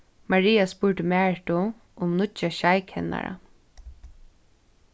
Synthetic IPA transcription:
maɹiːaspʊɹʈəmæːʈʊ | ʔʊmnʊt͡ʃaʃajkhɛna̰ɹa̰

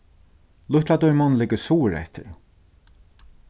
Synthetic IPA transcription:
lʊht̪lad̪ɔjmɔnlɪkəsuːɾɛ̰ht̪ɪ̰ɾ

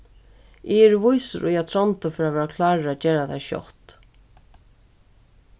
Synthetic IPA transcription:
ɪɛɾvujsəɾʔʊjat̪ʰɾɔnt̪ʊfɪɾavʋɛːɾakʰlaːɹat͡ʃeːɾat̪ʰajʃjɔ̰ht̪

